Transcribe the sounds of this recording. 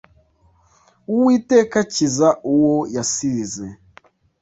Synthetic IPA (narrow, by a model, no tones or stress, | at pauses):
uwiːtekacizaʔuwojasiɾize